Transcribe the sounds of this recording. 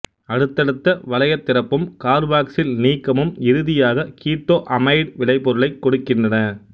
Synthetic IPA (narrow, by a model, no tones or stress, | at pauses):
ɐɽɯt̪ːɐɽɯt̪ːɐʋɐlɐjɐt̪ːɪɾɐpːɯmkaːɾʋaːksɪlniːkːɐmɯmɪɾɯðɪjaːɣɐkiːʈ̪ːoːʔɐmɐɪɖʋɪlɐɪpːɔɾɯɭɐɪkːɔɽɯkːɪndrɐnɐ